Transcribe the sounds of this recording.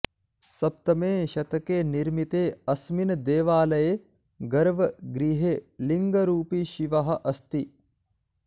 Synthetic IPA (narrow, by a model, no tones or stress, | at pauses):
sɐp̚t̪ɐmeːʃɐt̪ɐkeːniɾmit̪eːɐsminɐd̪eːʋaːlɐje | ɡɐɾʋɐɡɾiɦeːliŋɡɐɾuːpiʃiʋɐɦɐ̆ʔɐst̪i